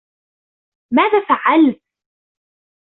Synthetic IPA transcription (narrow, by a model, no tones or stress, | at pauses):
maːðaːfaʕalt̪̚